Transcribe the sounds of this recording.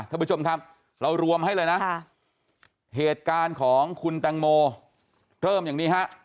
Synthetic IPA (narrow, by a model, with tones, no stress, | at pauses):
t̪ʰaː˥˩pt͡ɕʰo˧mkʰa˦˥p̚ | ɾa˧wɾu˧əmha˥˩jlɤː˧jna˦˥ | ɦeː˨˩t̪̚kaː˧nkʰɔː˩˦ŋkʰu˧nt̪ɛː˧ŋmoː˧ | ɾɤː˥˩mjaː˨˩niː˦˥ɦa˦˥ʔ